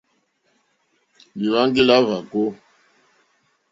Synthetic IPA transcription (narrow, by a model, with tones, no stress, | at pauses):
li˨ɾa˦ŋɡi˦la˦va˨ko˦